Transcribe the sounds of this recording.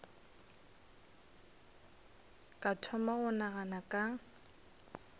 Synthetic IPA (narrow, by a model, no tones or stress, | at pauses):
kʼatʰɔmaɣʊnaɣanakʼa